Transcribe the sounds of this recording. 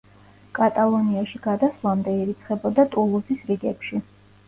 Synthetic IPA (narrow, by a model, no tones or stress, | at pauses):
kʼat̪ʼalˠɔniaʃiɡad̪aslˠamd̪ɛiɾit̪sʰχɛbɔd̪at̪ʼulˠusisɾiɡɛpʃi